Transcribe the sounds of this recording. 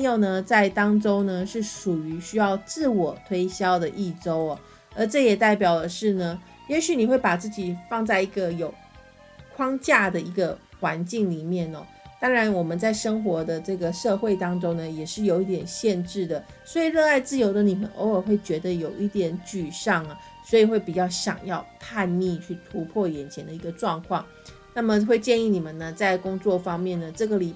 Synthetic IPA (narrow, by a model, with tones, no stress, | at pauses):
ŋjo˨˩ʊnə˩˨t͡sa˥˩ɪt̪ɑ˥ŋʈ͡ʂo˥ʊnə˨ʂɻ̩˥˩ʂu˨˩y˧˥ɕy˥jɑ˥˧ʊt͡sɹ̩˥˩wɔ˨˩t̪ʰwe˥ɪɕjɑ˥ʊd̪ə˨ʔi˥˩ʈ͡ʂo˥ʊɐ˩ | ə˞˧˥ʈ͡ʂɤ˥˩jɛ˨˩t̪a˥˩ɪp̬jɑ˨˩ʊlə˦ʂɻ̩˥˩nə˩ | jɛ˧˥ɕy˨˦ni˨˩xwe˥˩ɪpa˨˩t͡sɹ̩˥˩t͡ɕi˨˩fɑ˥˧ŋt͡sa˥˩ɪi˧˥ɡə˧jo˨˩ʊ | kʰwɑ˥ŋt͡ɕja˥˩d̪ə˩i˧˥ɡə˧ | xwa˧˦nt͡ɕi˥˩ŋli˨˩mjɛ˥˩nɔ̰˨˩ | t̪ɑ˥ŋɻa˧˥nwɔ˨˩mə˨˦nt͡sa˥˩ɪʂɤ˥ŋxwɔ˧˥d̪ə˧ʈ͡ʂɤ˥˩ɡə˩ʂɤ˥˧xwe˥˩ɪt̪ɑ˥ŋʈ͡ʂʊ˥ŋnə˨˩jɛ˨˩ʂɻ̩˥˩jo˨˧ʊi˥˩t̪jɛ˨˩nɕjɛ˥˧nʈ͡ʂɻ̩˥˩d̪ə˩ | swɔ˧˥i˨˩ɻɤ˥˧a˥˧ɪt͡sɹ̩˥˩jo˧˥ʊd̪ə˧ni˨˩mə̰˧˦nʔo̰˧˥ʊə˨˩xwe˥˩ɪt͡ɕɥɛ˧˥d̪ə˧jo˨˩ʊʔi˥˩t̪jɛ˧˥nt͡ɕy˨˩ʂɑ˥˩ŋə˩ | swɔ˧˥i˨˩xwe˥˩ɪpi˨˩t͡ɕjɑ˥˩ʊɕjɑ̰˨˩ŋjɑ˥˧ʊpʰa˥˧nmi˥˧t͡ɕʰy˥˩t̪ʰu˧˥pʰwɔ˥˩jɛ˨˩nt͡ɕʰjɛ˧˥nd̪ə˧i˧˥ɡə˧ʈ͡ʂwɑ˥˧ŋkʰwɑ˥˩ŋ | na˥˩mə˨xwe˥˧ɪt͡ɕjɛ˥˧ni˥˩ni˨˩mə˦nnə˩t͡sa˥˩ɪkʊ˥ŋt͡swɔ˥˩fɑ˥ŋmjɛ˥˩nə˩ʈ͡ʂɤ˥˩ɡə˩li˨˩